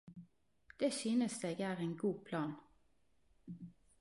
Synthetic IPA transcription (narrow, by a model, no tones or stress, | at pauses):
d̪̥eːsyːnəsd̪eːɡæːʁeːnɡuːpʰlɑːn